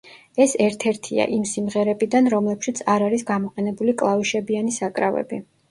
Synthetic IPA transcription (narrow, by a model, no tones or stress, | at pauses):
ɛsɛɾt̪ʰɛɾt̪ʰia̰ʔimsimʁɛɾɛbid̪anɾɔmlɛpʃit̪sʰaɾaɾisɡamɔqʼɛnɛbulikʼlˠaviʃɛbianisakʼɾavɛ̰bi